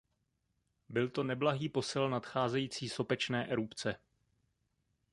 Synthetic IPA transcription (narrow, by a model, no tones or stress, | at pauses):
bɪlt̪o̞nɛblaɦiːpo̞sɪlnat̪xaːzɛjiːt͡siːso̞pɛt͡ʃnɛːʔɛɾupt͡sɛ